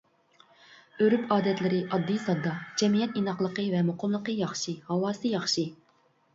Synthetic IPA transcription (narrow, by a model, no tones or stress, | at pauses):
øɾypɑːd̪ɛt̪lɪɾɪʔɑd̪ːijsɑd̪ːɑd͡ʒɛmijɛt̪inɑχlˠəqəvɛmoqʊmlˠəqəjɑχʃɨhɑwɑːsɨjɑχʃɨ